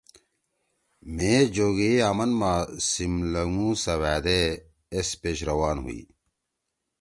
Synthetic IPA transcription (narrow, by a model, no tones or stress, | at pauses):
mẽːd͡ʑoːɡeaːmɐnmaːsimlɐŋũːsɐwaːd̪eː | speːɕɾɐwaːnɦṵḭː